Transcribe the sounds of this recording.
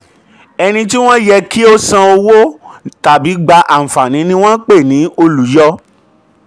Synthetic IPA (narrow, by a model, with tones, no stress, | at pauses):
ɛ˧nĩ˧t̬i˦w̃ɔ̃˦jɛ˧ki˦o˦sã˧o˧wo˦ta˨bi˨˦ɡ͡ba˧ʔã˨fa˨nĩ˨˦nĩ˧w̃ɔ̃˦k͡pe˦˨nĩ˨˦o˧lu˨jɔ˧˦